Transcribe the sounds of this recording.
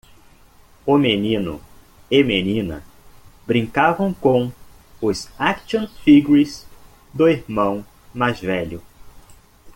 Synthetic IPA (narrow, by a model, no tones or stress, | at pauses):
ʊmenĩnʊ̰ | ɪmenĩnɐ̰ | bɾĩŋkavɐ̃w̃kõw̃ | ʊzakʃõnfiɡuiz | d̪ʊiɾmɐ̃w̃ | majzvɛʎʊ